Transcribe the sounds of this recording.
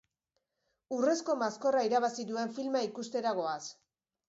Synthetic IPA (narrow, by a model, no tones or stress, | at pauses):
ure̞sko̞masko̞raiɾaβasiðue̞ɱfilmaikust̪e̞ɾaɣ̞o̞as